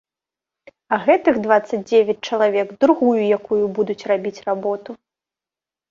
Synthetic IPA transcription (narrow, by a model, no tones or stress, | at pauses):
ɐɣɛt̪ɨɣd̪vat̪sːɐd͡zʲd͡zʲevʲɐt͡sʲt͡ʂɐlˠavʲɛɡd̪ɾuɣujujakujubud̪ut͡sʲrabʲit͡sʲrabɔt̪u